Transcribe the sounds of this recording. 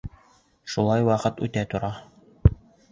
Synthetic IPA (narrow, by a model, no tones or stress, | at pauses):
ʃulˠɑjwɑqɤt̪ʉ̰t̪æt̪ŏɾɑ